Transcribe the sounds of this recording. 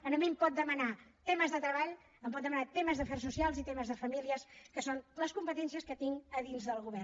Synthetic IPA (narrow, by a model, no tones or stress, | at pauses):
ənəmimpɔt̪̚d̪əmənat̪ɛməzðət̪ɾəβaʎ | əmp̬ɔt̪̚d̪əmənat̪eməzðəfɛrs̬usialˠzit̪eməzðəfəmiliəskəsonləskumpət̪ɛns̬iəskət̪iŋəðinzðəlˠɣuβɛr